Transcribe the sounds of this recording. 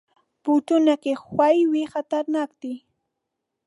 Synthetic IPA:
pʊt͡ʃʊnakɪχwajwɪhat̪aɾnakt̪ɪ

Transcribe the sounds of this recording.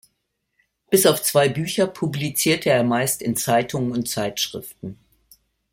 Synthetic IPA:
b̥ɪsaʊft͡sv̥aɪbyːçɐpʰublit͡siːɐtʰəeːɐmaɪstɪnt͡saɪtʰʊŋənʊnt̚t͡saɪtʃʁ̥ɪ̰ftn̩

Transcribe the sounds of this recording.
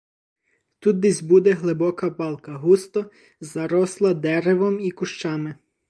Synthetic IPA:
t̪ut̪̚d̪izʲbud̪ɛɦlˠɪbɔkɐpɑlˠkɐɦust̪ɔ | zɐɾɔslˠɐd̪ɛɾeʋɔmikʊʃt͡ʃɑmɪ

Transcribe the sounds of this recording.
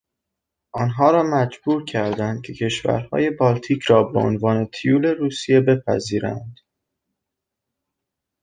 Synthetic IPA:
ʔɒːnɦɒːɾɒːmæd͡ʒbuːɾcʰæɾd̪ænd̪̥̚cʲʰe̞cʰe̞ʃvæ̰ɾhɒ̰ːje̞bɒːlt̪ʰiːcʰɾɒːbeo̰nvɒːne̞t̪ʰijuːle̞ɾuːsije̞be̞pʰæ̰ziːɾæ̰nd̪̥

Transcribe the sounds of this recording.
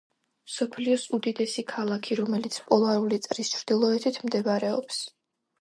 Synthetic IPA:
msɔpʰliɔsud̪id̪ɛsikʰalˠakʰiɾɔmɛlit̪sʰpʼɔlˠaɾulit̪sʼɾist͡ʃʰɾd̪̥ilˠɔɛt̪ʰit̪ʰmd̪ɛvaɾɛɔps

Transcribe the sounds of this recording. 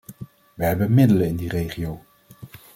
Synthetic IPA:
ʋəɦɛbənmɪdələɪndirejχiow

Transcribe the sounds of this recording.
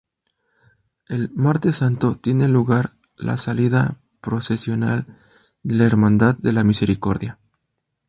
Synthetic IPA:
e̞lmaɾt̪e̞sant̪o̞t̪je̞ne̞luɣaɾ | la̰saliða | pɾo̞se̞sjo̞nal | d̪elaeɾmãnd̪aððe̞lamise̞ɾiko̞ɾðja

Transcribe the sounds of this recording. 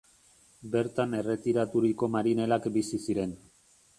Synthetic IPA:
be̞ɾt̪ane̞re̞t̪iɾat̪uɾiko̞maɾine̞lakbisisiɾe̞n

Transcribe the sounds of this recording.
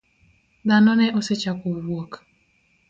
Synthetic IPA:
d̪anɔnɛʔoset͡ʃakowwok

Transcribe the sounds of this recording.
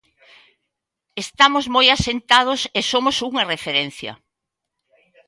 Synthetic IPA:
est̪amozmojasent̪að̞osesomosuŋɐrefeɾen̟θjɐ̰

